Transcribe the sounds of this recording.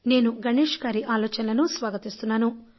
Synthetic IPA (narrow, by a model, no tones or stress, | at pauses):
ne̞ːnuɡɐɳeːʂɐɡaːɾiʔaːlɔːt͡ʃɐnɐlɐnusʋaːɡɐt̪ist̪unːaːnu